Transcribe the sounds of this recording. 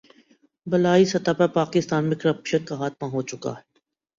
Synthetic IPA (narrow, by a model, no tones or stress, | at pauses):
bɐlaːisɐt̪apɐɾpaːkɪst̪aːnmẽkəɾəpʃənkaɦaːt̪̚maɦot͡ʃʊka̰ɦɛ